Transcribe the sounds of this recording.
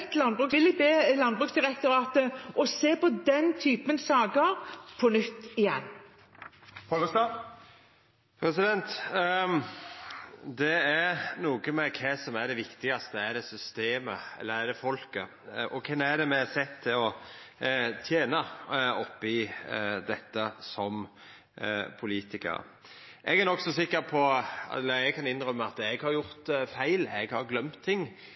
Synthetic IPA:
t̪lɑnbʁʉːkɪlɪbeːlɑnbʁʉːksd̪ɪɾɛk̚t̪ʊɾɑːt̪əɔseːpɔd̪ɛnt̪ʰyːpənsɑːɡəɾpʰɔnʏt̪ːɪjɛnː | pɔləst̪ɑ | pʰɾɛsɪd̪ɛnt̪ | d̪ɛæɾnuːɡəmɛkʰɛsɔmæɾɖɛʋɪkt̪ɪɡɑst̪əæɾɖ̪ɛsʏst̪eːməɛ̰lːəɾæd̪ɛfɔlkə | ɔkʰɛmæɾd̪ɛmɛsɛt̪ʰːɪlɔ | t̪ʰjeːnɑɔpːɪd̪ɛt̪ːəsɔm | pʰʊliːt̪ɪkə̰ɾ̰ | ʔɛɡænɔksɔsɪkːəɾpʰɔlːəɛɡkʰɑnɪnɾœmːəɑt̪ːɛɡhɑɾjʊɾt̪fæɪlɛɡhɑɾɡlœmt̪ʰːɪŋː

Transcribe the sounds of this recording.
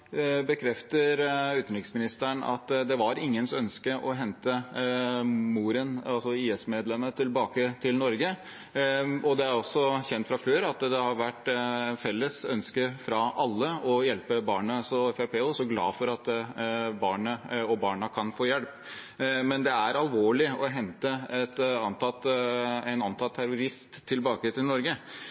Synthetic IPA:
bəkʰɾɛft̪əɾʉːt̪nɾɪkəsmɪnɪst̪æɳɑ̰t̪d̪ɛʋɑɾɪŋːənsœnskəʔɔɦɛnt̪ə | muːɾənɑlsɔiːɛsmeːd̪lɛmːət̪ʰɪlbɑːkət̪ʰɪlnɔɾɡə | ɔd̪ɛæɾɔsːɔçɛnt̪fɾɑføːɾɑt̪d̪ɛhɑɾʋæʈːfɛlːəsœnskəfɾɑʔɑlːəɔjɛlpəbɑːɳəsɔɛfæpʰeːɔsɔɡlɑ̰ːfɔɾɑt̪ | bɑːɳəɔbɑːɳəkʰɑnfoːjɛlp | mɛnd̪ɛæɾɑlʋoːɭɪɔɦɛnt̪əɛt̪ɑnt̪ʰɑt̪æɪnɑnt̪ʰɑlt̪ʰːæɾʊɾɪst̪ʰːɪlbɑːkət̪ɪlnɔɾɡə

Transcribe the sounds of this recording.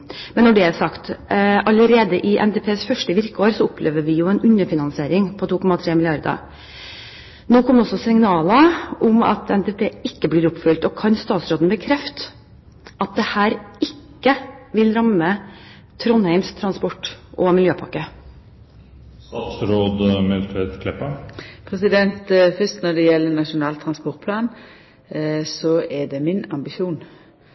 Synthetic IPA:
mɛnːɔɖɛæɾsɑkt̪ɑləɾeːd̪əʔɪʔɛ̰nd̪eːpʰeːsfœʂʈəʋɪɾkəoːɾsɔʊpʰleːʋəɾʋɪjʊɛnʉnəfɪnɑnsɪeːɾɪŋpʰɔt̪uːkʰɔmɑt̪ʰɾeːmɪlɪɑɾd̪ə̰ | noːkʰɔmːd̪ɛɔsːɔsɪŋnɑːləʔʊmɑ̰t̪ʰɛnd̪eːpʰeːɪkːəbliːɾʊpfʏlt̪ɔkʰɑnst̪ɑːt̪sɾoːd̪n̩bəkʰɾɛft̪ | ʔɑt̪̚d̪ɛhæːɾɪkːəʋɪlɾɑmːə | t̪ʰɾɔnhæɪmst̪ʰɾɑnspɔʈːʔɔmɪljøːpʰɑkːə | ɑt̪sɾoːd̪mɛlfɛt̪kʰlɛpəpʰɾɛsɪd̪ɛnt̪fœst̪nɔɖɛjɛlːənɑʂʊnɑːlt̪ʰːɾɑnspɔɾt̪pʰlɑːn | sɔɛɖɛmɪnɑmbɪʃuːn

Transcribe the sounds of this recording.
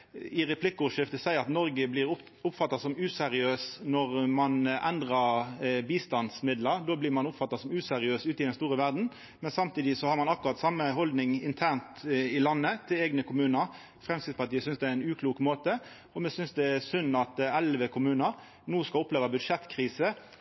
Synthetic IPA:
ɪʁɛpʰlɪkːɔʂɪft̪əsæɪəɾɑt̪nɔɾɡəblɪɾ | ʊpfɑt̪ːɑsɔmʉːsɛʁɪøːsnɔʁmɑnʔæ̰nd̪ʁɑbiːst̪ɑnd̪smɪd̪ləɾd̪oːblɪmɑnʊpfɑt̪ːɑsɔmʉːsɛʁɪøːsʉːt̪əɪd̪ɛnst̪uːʁɾəʋæʁd̪n̩ | mɛnsɑmt̪ʰiːd̪ɪsɔhɑʁmɑnɑkʊʁɑt̪sɑmːəɦɔld̪nɪŋɪnt̪ʰæʁnt̪ɪlɑnːət̪ʰɪlɛɡnəkʰʊmʉːnəɾ | fʁɛmskɪspɑʁʈ̪iːəsʏnsd̪ɛæɪnʉːkʰluːkmoːt̪ə | ɔmɛsʏnsd̪ɛæsʉnːɑt̪ɛlʋəkʰʊmʉːnəɾ | nuːskɑʊpleːʋəbʉd̪ʂɛt̪ːkʰʁiːsə

